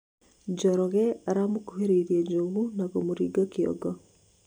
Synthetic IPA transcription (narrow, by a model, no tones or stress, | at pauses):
d͡ʒɔɾɔɣɛaɾamokuɦeɾeiɾiɛd͡ʒoɣunaɣomoɾiɡɔkiɔ̰ɡɔ